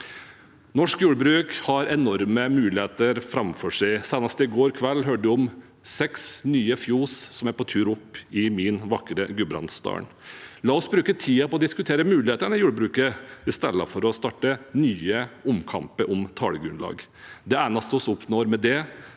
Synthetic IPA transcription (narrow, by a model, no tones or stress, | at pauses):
nɔʂkjuːɽəbɾʉːkhɑɾɛnɔɾməmʉːlɪheːt̪əɾfɾɑmfɔʂæɪsæːnɑst̪əɪɡoːɾkʰʋɛlːɦøːɖəd̪ɔm | sɛksnyːəfjuːssɔmæɾpʰɔt̪ʰʉːɾɔpːɪmɪnʋɑkɾəɡʉbɾɑ̰nst̪ɑ̰ːɳ | lɑːɔsbɾʉːkət̪ʰiːɑpɔɔd̪ɪskʉt̪ʰeːɾəmʉːlɪheːt̪ənɪjuːɽəbɾʉːkəɪst̪ɛ̰lːə̰fɔɾɔst̪ɑːʈːənyːəʊmkʰɑ̰mpəɾʔɔmt̪ʰɑ̰ːləɡɾʉnlɑ̰ːɡ | d̪ɛæːnɑst̪ɔsɔpnoːɾmɛd̪ɛ